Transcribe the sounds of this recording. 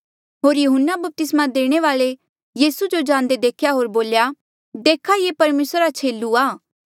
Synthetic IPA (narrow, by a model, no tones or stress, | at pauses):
ɦoːɾjʊɦənːabɐp̚t̪ɪsmad̪eːɽ̃eʋaːɭe | jiːsud͡ʒod͡ʒãːnd̪ed̪eːkʰjaɦoːɾboːlja | d̪eːkʰajepɐɾmeːsɾat͡ʃʰeːlːuaː